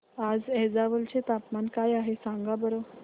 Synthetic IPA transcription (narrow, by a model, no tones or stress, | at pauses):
ad͡zɛd͡zaʋəlt͡ɕet̪apmankajaɦesaŋɡabəɾo